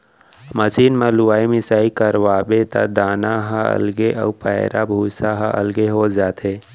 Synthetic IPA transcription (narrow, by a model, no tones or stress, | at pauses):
məsiːnmãluaːimɪsaːikəɾʋaːbet̪a̰d̪aːnaɦaɐ̰lɡeʔɔ̰pɛːɪɾʔa̰bʱuːsaɦaʔɐ̰lɡeɦoːd͡ʒaːt̪eː